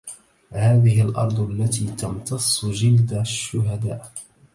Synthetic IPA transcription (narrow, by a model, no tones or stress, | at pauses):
haːðɪhɪlʔɑ̰ɾˤd̪ˤalːat̪iːt̪ɑmt̪ɑsˤːd͡ʒɪld̪aʃːʊɦad̪aːʔ